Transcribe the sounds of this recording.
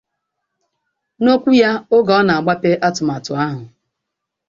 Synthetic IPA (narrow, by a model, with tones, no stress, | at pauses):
no˦kʷu˦ja˦ʊ˦ɡɔ˨ɔ˦na˨a˨ɡ͡ba˦pe˦ʔa˦tʊ˨ma˨tʊ˨a˦ɦʊ˨